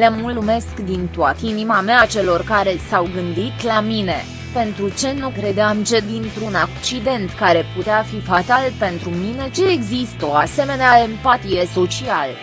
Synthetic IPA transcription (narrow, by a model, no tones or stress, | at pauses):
lemulume̞skd̪int̪oat̪əinimameat͡ʃe̞lo̞rkaɾe̞sawɡɨnd̪it̪lamine̞ | pe̞nt̪ɾut͡ʃe̞nukɾe̞d̪eamt͡ʃe̞d̪int̪ɾunak̚t͡ʃid̪e̞nt̪kaɾe̞put̪eafifat̪alpe̞nt̪ɾumine̞t͡ʃe̞ːɡzist̪o̞ase̞me̞neae̞mpat̪ijeso̞t͡ʃial